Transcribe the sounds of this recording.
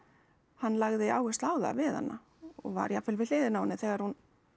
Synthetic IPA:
hanːlaɣðɪaːwhʏst̪laːwða̰vɪða̰nːa | ɔ̰ɣva̰ɾjafɪlvɪl̥ɪːðɪnaːwnɪθɛːɣaɾhun

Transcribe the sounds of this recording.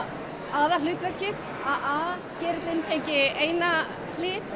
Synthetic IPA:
aːðal̥ʏːt̪vɛr̥cɪð | aðaː | cɛːɾɪt̪lɪnt̪ʰejɲcɪeːjna | l̥ɪːt̪

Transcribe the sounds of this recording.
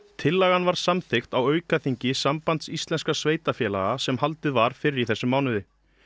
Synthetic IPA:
t̪ʰɪlːaɣanvaɾ̥samθɪxt̪awœːɥkaθiɲcɪsampant̪sist̪lɛnskasveːjt̪afjɛːla̰ɣasɛmhalt̪ɪðvaɾ̥fɪɾɪɾiθɛsːʏmːaːwnʏðɪ

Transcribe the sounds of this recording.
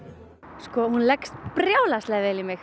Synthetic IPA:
skɔhunlɛkst̪pɾjaːwlast̪lɛɣvɪlimɪx

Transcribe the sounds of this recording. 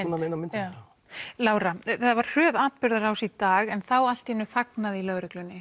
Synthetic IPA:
nːaenamɪnt̪ | laːwɾaθɛt̪ːavaɾ̥r̥œːðaːt̪̚pʏɾðaɾawsit̪aːɣɛnθawal̥t̪hɛnʏθaknaðɪilœɣɾʏklʏnːɪ

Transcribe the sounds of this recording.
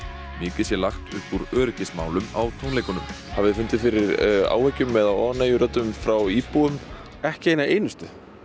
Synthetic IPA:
mɪːcɪsjɛlaxt̪ʏhpuɾœːɾʏcɪsma̰ːwlʏmawt̪ʰownlejkʏnʏm | havɪðfʏnt̪ɪðfɪɾɪɾa̰ːwhɛcːʏmːɛðaɔnejʏɾœt̪ʏmfɾawiːpuʏm | ɛhcɪeːjnaʔeːjnʏst̪ʏ

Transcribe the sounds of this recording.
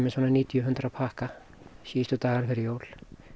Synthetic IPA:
mɛsvɔːnaniːt̪ijʏɦʏnt̪ɾapʰahka | siːst̪ʏt̪aːɣaɾ̥fɪɾɪjoːwl̥

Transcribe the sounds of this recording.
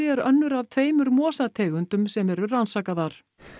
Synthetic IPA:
ɛɾœnːʏɾav̥t̪ʰveːjmʏɾmɔːsat̪ʰɛːɣʏnt̪ʏmsɛmɛɾʏransaːkaðaɾ̥

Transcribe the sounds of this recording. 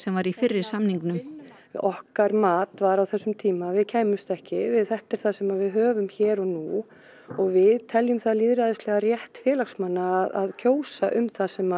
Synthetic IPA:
sɛmvaɾifɪrːɪɾ̥samniŋknʏm | ɔhkaɾmaːt̪vaɾawθɛsːʏmt̪ʰiːmavɪðcʰeːjmʏst̪ɛhcɪvɪðθɛht̪ɛɾ̥θaðsɛmavɪðɦœːvʏmçɛːɾɔɣnu | ɔɣvɪðt̪ʰɛljʏmθaðliːðɾaðɪst̪lɛɣarjɛht̪fjɛːlaxsmanːaːða̰ðcʰoːwsaʔʏmθasɛma

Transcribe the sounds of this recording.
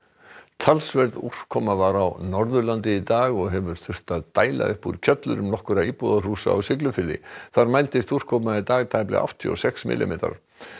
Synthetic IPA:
t̪ʰalsvɛɾður̥kʰɔmːavaɾawnɔɾðʏlant̪ɪit̪aːɣɔɣɦɛvʏɾ̥θʏr̥t̪aðt̪aːjla̰ʏhpuɾcʰœt̪lʏɾʏmnɔhkʏɾaiːpɔðar̥uːsa̰awsɪklʏfɪlːɪ̰θaɾmajlt̪ɪst̪ur̥kʰɔpmait̪aːɣt̪ʰaːjplɪ̰ʔa̰w̥ht̪ʰiɔ̰sɛxsmɪ̰lʔɪ̰meːt̪a̰ɾ̥

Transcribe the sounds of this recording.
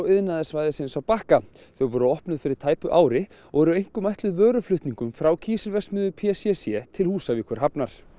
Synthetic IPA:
wɪðnaðɪsvajðɪsɪnsawpahka | θœwvɔːɾʏɔhpnʏðfɪɾɪɾ̥t̪ʰaːjpʏʔaːwɾɪ | ɔɣɛɾʏejŋ̥kʏmajht̪lʏðvœːɾʏflʏht̪niŋkʏmfɾawcʰiːsɪlvɛsmʏðʏpʰɛsɛsjɛt̪ʰɪlhuːsavikʰvœɾ̥ɦapnaɾ̥

